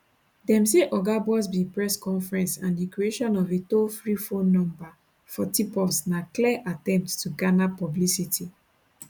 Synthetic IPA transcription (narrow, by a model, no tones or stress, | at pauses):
dɛ̃mseʔɔɡabɔs̬bĩpɹɛskɔ̃nfɹɛ̃nsãndikɹieʃɔ̃nɔvetofɹifõnːɔ̃mba | fɔtipɔpsnaklɛʔatɛ̃mp̚tstuɡanapɔblisitʰi